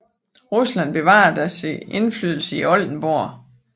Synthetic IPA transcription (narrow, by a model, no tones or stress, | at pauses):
ʁuslæn̰b̥e̝ʋɑ̈ɐd̥æse̝nflyð̞ˠl̩səiɒ̽ld̥n̩b̥oɐ̰